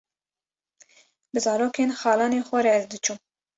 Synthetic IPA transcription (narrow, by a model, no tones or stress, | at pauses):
bɨzɑːɾoːkeːnxɑːlɑːneːxʷɛɾɛɛzd̪ɨt͡ʃʰuːm